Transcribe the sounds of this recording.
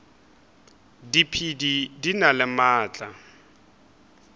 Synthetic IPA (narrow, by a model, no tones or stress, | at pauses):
dipʰididinalɪmaːt͡ɬʼa